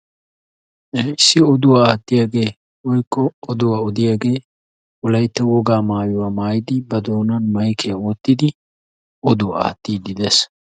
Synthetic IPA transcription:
ɪsːɪɔd̪ʊwaːaːt̪ːɪjaːɡe̞ː | wɔjkːɔːd̪ʊwaːɔd̪ɪjaːɡe̞ː | ɔlɐjt̪ːɛwɔɡaːmaːjʊwaːmaːjɪd̪ɪbɐd̪oːnɐnmɐjkʰɛjɐwɔt̪ːɪd̪ɪ | ɔd̪ʊwa̰a̰ːt̪ːiːd̪ɪd̪es

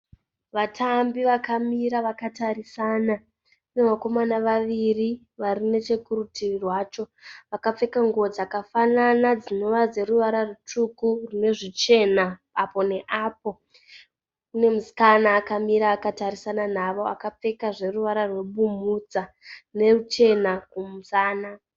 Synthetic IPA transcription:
ʋatʰambiʋakamiɾaʋakataɾisana | unemako̞manaʋaʋiri | ʋarine̞t͡ʃe̞kuɾutirirwaːt͡ʃo̞ʋakap͡fe̞kaŋɡod͡zakafananad͡zino̞ʋad͡ze̞ɾuʋaɾarutukurine̞ʐit͡ʃe̞na | apo̞ne̞ʔaːp̚o̞ | une̞musi̥kanaːkamiɾaːkataɾisananaʋo̞akap͡fe̞kaʐe̞ruʋaɾarwe̞ɓumud͡za | rne̞rut͡ʃe̞nakumusaːna

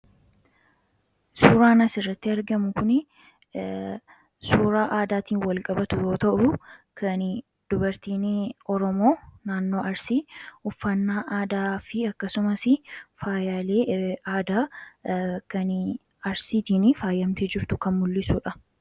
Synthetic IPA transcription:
suːɾaːnɐsɪrːɐt̪ːɪɐɾɡɐmʊkʊnɪ | suːɾaːʔaːd̪aːt̪iːnwɐlkʼɐbɐt̪ʊjoːt̪ɐʔʊkʰɐn | d̪̥ʊbɐɾt̪iːnɔɾɔmo̞ːnaːnːo̞ːʔɐɾsiːʊfːɐnːaːʔaːd̪aːfɪɐkːɐsʊmɐsɪfaːjaːle̞ːaːd̪aː | kɐn | ɐɾsiːt̪iːnfaːjːɐmt̪ɛd͡ʒɪɾt̪ʊkɐnmʊlːɪsuːᶑɐ

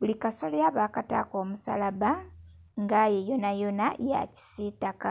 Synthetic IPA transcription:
βulikasolaβakata̰ko̞ːmusa̰laβa | ŋɡajejo̞najo̞naja̰ci̥sitaka

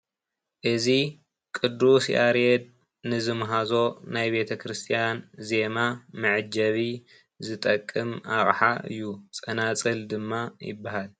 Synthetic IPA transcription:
ʔɨzi | kʼɨd̪ːusʔaɾed̪̚ | nɨzɨmɦazo̞najbe̞t̪ʰɐkʰɾɨst̪ʰijanze̞mamɨʕɨd͡ʒɐβi | zɨt̪ʼɐkʼːɨmaχʼħaʔɨ̰jːut͡sʼɐnat͡sʼɨld̪ɨmːajɪ̰bːaɦal

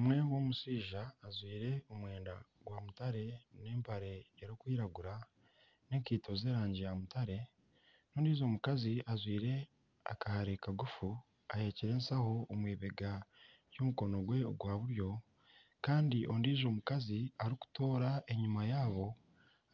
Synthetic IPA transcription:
mwe̞wo̞ːmusiːʒaːzwiːɾe̞omwe̞ːnda̰ | ɡwaːmutaɾe̞ne̞ːmpʰaɾe̞ːɾokwiːɾaɡuɾa | ne̞kiːtʰo̞ze̞ːɾaːɲɟijamutaɾe̞ | no̞ːndiːzo̞ːmukaziazwiːɾe̞ | a̰kahaɾekaɡufu | ahe̞ːciɾe̞ːnsahoːmwiːβe̞ɡa | jomuko̞no̞ɡwe̞oɡwaːβuɾjo̞ | kaːndiʔo̞ndiːʒo̞ːmukaziaɾiku̥to̞ːɾaʔe̞ɲumajaːβo̞

